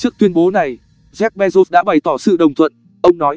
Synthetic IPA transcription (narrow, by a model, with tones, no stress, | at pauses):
t͡ɕɨ˦˥ək̚t̪wi˧ənɓo˨˦na˨˩j | zɛ˦˥k̚ɓɛ˧zo˦˥s̚ɗa̰ː˧˥ɓa˨˩jt̪ɔ˧˩sɨ̰˧˨ɗə˨˩wŋ͡mt̪ʰwə̰˧˨n | ʔə˧wŋ͡mnɔ˨˦j